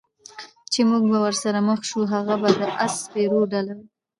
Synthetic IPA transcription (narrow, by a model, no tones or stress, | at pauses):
t͡ʃemuɡ̚bawəɾsaɾaməxʃuɦaɣabad̪əʔaspeɾoɖalawu